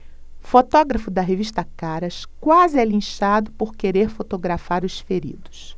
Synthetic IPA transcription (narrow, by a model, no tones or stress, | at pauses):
fot̪ɔɡɾɐfʊd̪ɐɦeviʃt̪ɐkaɾɐʃkwazɪɛlĩʃad̪ʊpoɾkeɾeɾfot̪oɡɾafaɾʊsfeɾḭd̪ʊs